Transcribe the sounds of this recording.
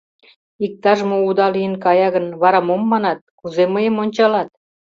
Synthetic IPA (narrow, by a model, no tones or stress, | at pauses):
ik̚t̪ɑʒmoud̪ɑlijənkɑjɑɣənβɑɾɑmomːɑnɑt̪̚kuzeməjəmonʲt͡ɕɑlɑt̪̚